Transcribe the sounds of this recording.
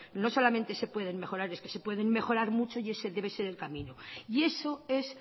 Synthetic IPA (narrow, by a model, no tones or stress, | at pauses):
no̞so̞lament̪e̞se̞pwe̞ð̞e̞ŋme̞xo̞ɾaɾe̞ske̞se̞pwe̞ðe̞ŋme̞xoɾaɾmut͡ʃo̞ie̞seðe̞β̞e̞se̞ɾe̞lkamĩnoie̞so̞e̞s